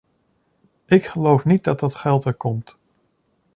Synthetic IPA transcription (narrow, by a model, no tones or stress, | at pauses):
ʔɪkχəlowfnit̚dɑt̚dɑtχɛlˠtəɹkɔmt